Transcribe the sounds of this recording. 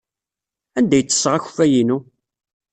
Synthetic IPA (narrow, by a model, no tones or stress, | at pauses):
ænd̪æjt͡sːə̥sːʁaç̥fæjinu